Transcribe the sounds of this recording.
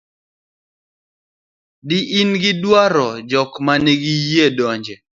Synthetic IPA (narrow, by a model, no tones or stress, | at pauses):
dɪʔinɡɪdwaɾɔd͡ʒɔkmaneɡijedɔɲd͡ʒɛ